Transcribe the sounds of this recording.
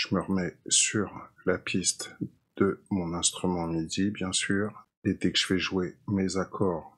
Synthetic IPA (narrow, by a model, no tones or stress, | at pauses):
ʒ̥əməʁəmɛsyʁlapʰist̪ | d̪̥əmɔ̃nɛ̃st̪χymɑ̃mid̪ibjɛ̃syːʁ | ed̪ɛkəʒ̥əvɛʒwemezakʰɔːʁ